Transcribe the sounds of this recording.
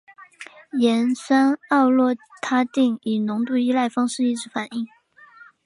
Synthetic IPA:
jɛ˧˥nʂa˥nɑ˥˧ʊlwɔ˥˩t̪ʰa˥t̪i˥˩ŋi˨˩nʊ˧˥ŋt̪u˥˩i˥la˥˩ɪfɑ˥ŋʂɻ̩˥˧i˥˩ʈ͡ʂɻ̩˧˥fa˨˩˦ni˥˩ŋ

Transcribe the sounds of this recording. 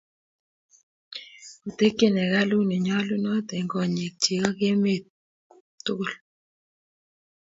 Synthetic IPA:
o˨te˦ke˦nɛ˨ɣa˦lu˦ne˨ɲɔ˦lu˦nɔ˦te˨ŋɡɔ˨ɲe˨k̚t͡ʃe˨ɣɔ˦ke˦me˦˨t | to˦˨l

